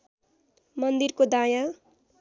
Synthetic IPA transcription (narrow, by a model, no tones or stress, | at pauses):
mʌnd̪irkod̪ajã